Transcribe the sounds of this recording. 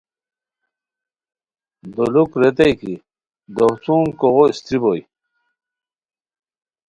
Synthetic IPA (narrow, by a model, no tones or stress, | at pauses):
d̪olukɾet̪̬ejki | d̪oht͡suːŋkoʁoist̪ɾiboj